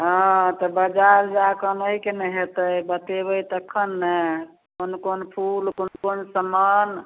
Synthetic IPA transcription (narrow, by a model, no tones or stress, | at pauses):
ɦɔ̃t̪ɔbəd͡ʒaɾd͡ʒakənəɦikenəɦet̪əjbət̪ebəjt̪əkʰːənːə | konkonpʰulkonkonsəman